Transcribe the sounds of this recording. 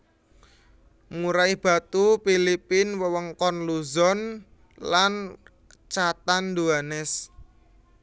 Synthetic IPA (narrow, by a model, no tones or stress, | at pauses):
muɾaihb̥ä̤t̪upilipinwəwəŋkɔnluzɔn | lan | t͡ʃat̪and̪uanɛs